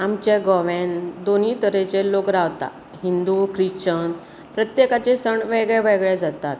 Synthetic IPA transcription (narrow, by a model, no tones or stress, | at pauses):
amt͡ɕeɡɔʋɛ̃nd̪oniːt̪əɾet͡ɕelokɾaʋt̪a̰ | ɦind̪ukɾiɕt͡ɕən | pɾət̪jekat͡ɕesəɳʋɛɡɭɛʋɛɡɭed͡zat̪at̪